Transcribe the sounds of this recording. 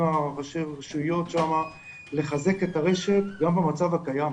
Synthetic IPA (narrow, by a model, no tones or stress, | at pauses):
aʁaʃeʁaʃuijo̞tʃama | le̞χaze̞ketaʁe̞ʃe̞tɡambemat͡savakajam